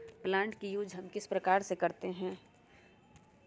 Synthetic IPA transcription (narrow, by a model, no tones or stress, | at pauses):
plãːɳʈkijuːd͡ʒʱɦɐmkɪspɾəkaːɾsekɐɾt̪eɦɛ̃ː